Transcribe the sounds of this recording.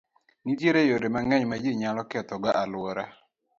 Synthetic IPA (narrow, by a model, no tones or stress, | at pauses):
nidjeɾejoɾemaŋɛɲmad͡ʒeɲalɔkɛt̪ɔɡaʔalwoɾa